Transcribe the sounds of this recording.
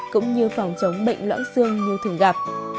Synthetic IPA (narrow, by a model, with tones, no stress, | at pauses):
kʊ̰˧˥ŋ͡mɲɨ˧fa˨˩wŋ͡mt͡ɕə˨˦wŋ͡mɓə̰˧˨jŋ̟lwa̰ː˧˥nsɨ˧əŋɲu˧t̪ʰɨ˨˩ɣaː˨˩p̚